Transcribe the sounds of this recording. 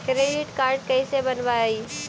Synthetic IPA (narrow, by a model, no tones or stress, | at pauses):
kɾeːɖɪʈkaːɾɖ̚kɐisebɐnʋaaiː